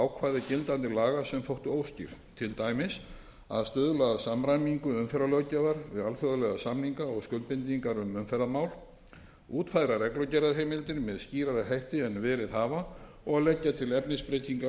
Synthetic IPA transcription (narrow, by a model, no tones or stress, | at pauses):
awkʰvaːðɪcɪlt̪ant̪ɪlaːɣasɛmfowht̪ʏoːwscḭɾ̥t̪ʰɪlt̪aːjmɪs | aðst̪ʏðlaðasamɾajmiŋkʏʏmfɛɾalœwcavaɾvɪðalθœðʏlɛɣasamniŋkaɔɣskœlt̪pɪnt̪̬iŋkaɾʏmʏmfɛɾðamaːwl | uːt̪fajɾaɾɛklɔcɛɾaɾɦejmɪlt̪ɪɾmɛðsciːɾaɾɪɦajht̪ɪɛnːvɛːɾɪðɦaːva | ɔɣaðlɛcːat̪ʰɪlɛpnɪspɾejt̪iŋka